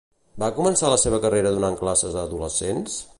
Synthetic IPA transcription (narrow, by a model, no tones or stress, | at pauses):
bakumənsaləseβ̞əkəreɾəːðunaŋklasəzðəðuləsens